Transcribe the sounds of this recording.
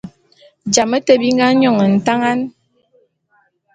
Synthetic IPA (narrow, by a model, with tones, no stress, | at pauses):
d͡ʒa˨mə˦tə˦bi˦ŋ˦ɡa˦ɲɔ˦˨ŋə˨n̩˨ta˦ŋa˦n